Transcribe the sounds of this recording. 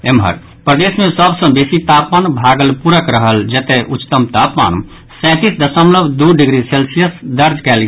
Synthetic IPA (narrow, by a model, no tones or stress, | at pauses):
emɦə̰ɾ | pɾəd̪esmẽsəbsə̃besit̪apmanbʱaɡəlpuɾəkɾəɦəld͡ʒet̪eʔut̪əmt̪apma̰n | sɛ̃t̪isd̪əsəmləbd̪uɖiɡɾiselsijəsd̪əɾd͡ʒkɛlɡ